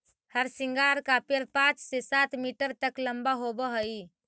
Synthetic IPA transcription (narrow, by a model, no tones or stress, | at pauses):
həɾsiŋɡaɾkapeɾpãt͡ʃsesat̪miʈəɾt̪əkləmbaɦobəɦəi